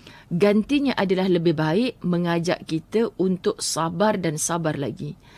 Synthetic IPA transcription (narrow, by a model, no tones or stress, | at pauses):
ɡant̪iɲãʔadalahləbɪhbaɪʔ̚mə̃ŋad͡ʒa̰ʔkit̪əunt̪ʊk̚sabardansabarla̰ɡi